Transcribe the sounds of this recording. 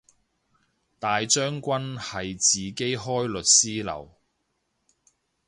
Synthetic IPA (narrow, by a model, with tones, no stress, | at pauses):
t̪aː˨jt͡ʃœː˥ŋkʷɐ˥nhɐ˨jt͡siː˨ke˥jɦɔː˥jlɵ˨t̚siː˥lɐ̰˨˩w